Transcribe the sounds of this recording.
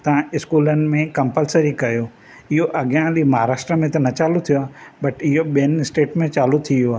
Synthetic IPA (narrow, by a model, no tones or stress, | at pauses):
t̪ɐʋ̤ãɪskuːlənɪ̆mẽkɐ̃mpəlsəɾikɐjoː | ɪɦoʔɐɠjãlimɐɦaːɾaːʃʈɾəmẽt̪ɐnɐt͡ɕaːlut̪ʰijoaːɦbɐʈɪɦoɓiənɪsʈeːʈmẽt͡ɕaːlut̪ʰijoaː